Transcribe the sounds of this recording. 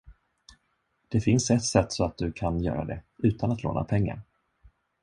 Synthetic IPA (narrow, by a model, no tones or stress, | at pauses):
d̪̥ɛfɪnsɛt̪sɛt̪ːsɔat̪̚d̪ɵkʰanjœ̰ːɾa̰d̪ɛʉ̟ːt̪ʰanat̪lo̰ːnʔa̰pʰɛŋːa̰ɾ